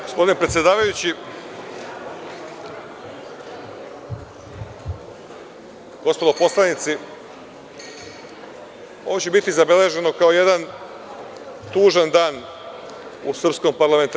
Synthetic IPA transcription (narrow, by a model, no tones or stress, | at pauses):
ɡo̞spod̪ine̞pɾet̪sʲjed̪aːʋajut͡ɕi | ɡ̥o̞spod̪opo̞slˠanit̪si | o̞̰ʋot͡ɕebit̪izabe̞le̞ʒe̞nokao̞je̞d̪an | t̪uːʒand̪aːn | usr̩psko̞mpaɾlˠame̞nt̪